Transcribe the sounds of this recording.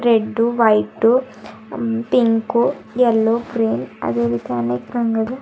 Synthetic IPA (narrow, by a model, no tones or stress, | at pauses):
ɾeɖːuʋɐjʈːu | piŋku | jelːuɡɾiːnɐ̰d̪eːʋit̪ɐɐneːkɾɐŋɡɐlu